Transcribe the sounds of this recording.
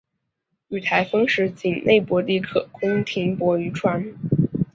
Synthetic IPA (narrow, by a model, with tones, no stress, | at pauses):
y˨˩t̪ʰa˧˥ɪfɤ˥ŋʂɻ̩˧˥t͡ɕi˨˩ŋnʔe˥˩ɪpwɔ˧˥li˥˧kʰɤ˥˩kʊ˥ŋt̪ʰi˧˥ŋpwɔ˧˥y˧˥ʈ͡ʂʰwa˧˥n˥